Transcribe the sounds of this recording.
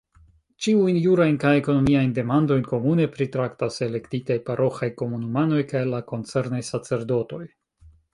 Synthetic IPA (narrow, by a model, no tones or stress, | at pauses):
t͡ʃiujnjuɾajnkajeko̞no̞miajnde̞mando̞jnko̞mune̞pɾitɾaktase̞le̞ktitajpaɾʔo̞xajko̞munumano̞jkajlako̞nt͡se̞ɾnajsat͡se̞ɾdo̞to̞j